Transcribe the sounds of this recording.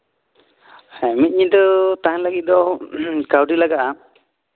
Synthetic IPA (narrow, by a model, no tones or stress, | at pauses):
ɛmit̪̚ɲid̪ɔt̪aanlaɡit̪̚d̪ɔkawʈilaɡaʔa